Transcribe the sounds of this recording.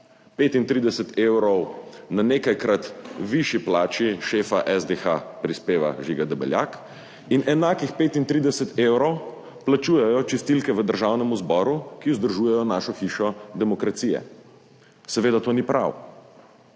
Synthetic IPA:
peːt̪int̪ɾiːd̪ɛsɛt̪ewɾɔwnaneːkajkɾat̪ʋiʃiplaːt͡ʃiʃeːfaʔɛzd̪exa̰pɾispeːʋa̰ʒiɡad̪ɛbɛ̰lja̰ːk | inʔɛnaːkixpeːt̪int̪ɾiːd̪ɛsɛt̪eːwɾɔw | plat͡ʃuːjɛjɔt͡ʃɛst̪ilkɛʋəd̪əɾʒawnɛmuzbɔːɾukiʊzd̪əɾʒuːjɛjɔnaːʃɔxiʃɔd̪ɛmɔkɾat̪siːjɛ̰ | sɛʋeːd̪at̪oːnipɾʔa̰w

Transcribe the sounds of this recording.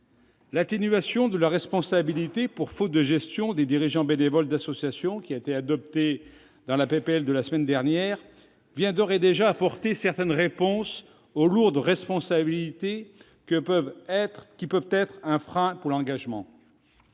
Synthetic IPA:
lat̪enɥasjɔ̃d̪əlaʁɛspɔ̃sabilit̪epuʁfot̪̚d̪əʒɛst̪jɔ̃d̪ed̪iʁiʒɑ̃benevɔld̪asɔsjasjɔ̃kʲiaet̪ead̪ɔp̚t̪e | d̪ɑ̃lapepeɛld̪əlasəmɛnd̪ɛʁnjɛːʁ | vjɛ̃d̪ɔʁɛd̪eʒaːpɔʁt̪esɛʁt̪ɛnʁepɔ̃s | oluʁd̪ʁɛspɔ̃sabilit̪e | kəpvɛkʲipœvt̪ɛt̪χɛ̃fχɛ̃puʁlɑ̃ɡaʒmɑ̃

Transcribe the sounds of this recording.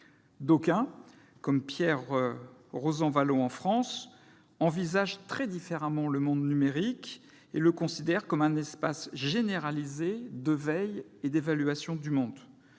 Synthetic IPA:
d̪okɛ̃ | kɔmpjɛʁ | ʁozɑ̃valoɑ̃fχɑ̃s | ɑ̃vizaʒt̪χɛd̪ifeʁamɑ̃ləmɔ̃d̪nymeʁik | eləkɔ̃sid̪ɛʁkɔmɛ̃nɛspasʒeneʁalized̪əvɛjed̪evalyasjɔ̃d̪ymɔ̃d̪

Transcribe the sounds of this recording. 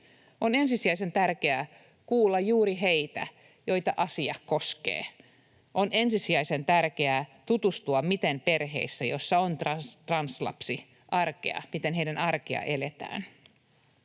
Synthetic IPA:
onensisiæise̞nt̪ærkeæ | kuːlːɑjjuːɾiɦeit̪æ | jojt̪ɑʔɑsiɑkoskḛː | ʔonensisiæisent̪ærkeæt̪ut̪ust̪uɑmit̪enperɦḛisːæjosːɑont̪rɑt̪rɑnslɑ̰psi | ʔɑrkḛɑ̰mit̪enɦeidænɑrkiɑ̰ʔelet̪æ̰ːn

